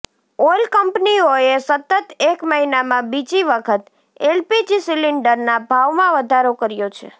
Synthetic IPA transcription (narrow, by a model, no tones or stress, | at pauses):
olkəmpnioesət̪ət̪ekməɦinamãbid͡ʒiʋəkʰət̪ | elpid͡ʒisiliɳɖəɾnabʱaʋmãʋəd̪ʱaɾokəɾjot͡ʃʰḛ